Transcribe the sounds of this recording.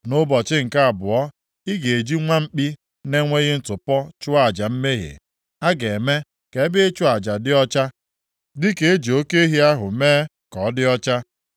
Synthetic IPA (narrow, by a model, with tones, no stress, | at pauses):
nʊ˦bɔ˨t͡ʃɪ˦ŋ̩˨ka˦a˨bʊ˨ɔ˦ | ɪ˦ɡe˨e˨d͡ʒi˦ŋʷa˦m̩˦k͡pi˦ | ne˦ŋʷe˦ɣɪ˦n̩˦tʊ˨pɔ˦t͡ʃʊ˦a˨d͡ʒa˨m̩˦me˦ɦḛ˨ | a˦ɡe˨me˦ | ke˨˦bɪ˦t͡ʃʊ˦a˨d͡ʒa˨dɪ˦ɔ˦t͡ʃa˦ | dɪ˦ke˨e˦d͡ʒo˦ke˦ɦi˦a˦ɦʊ˨meː˦ | kɔ˨˦dɪ˦ɔ˦t͡ʃa˦